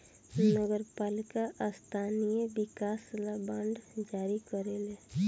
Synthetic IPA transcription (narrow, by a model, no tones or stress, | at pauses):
nəɡəɾpaːlɪkaʔst̪ʰaːnijebɪkaːslabãɳɖd͡ʒaːɾikəɾele